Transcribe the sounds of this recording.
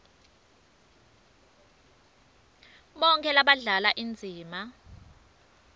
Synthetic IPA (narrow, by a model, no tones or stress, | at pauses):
ɓɔŋkʰɛlaɓaɮalaʔind͡zʱiːma